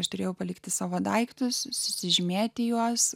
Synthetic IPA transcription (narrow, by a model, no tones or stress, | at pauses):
ɐʃt̪ʊɾʲeːjɛʊpɐlʲɪkt̪ʲɪsɑːʋoːd̪ɐɪkt̪ʊssʊsʲɪʒʲɪmʲeːt̪ʲɪjuɔs